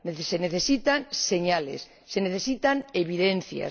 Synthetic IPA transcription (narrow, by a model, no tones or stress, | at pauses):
neseneθesit̪anseɲalḛsːeneθesit̪aneβiðen̟θja̰s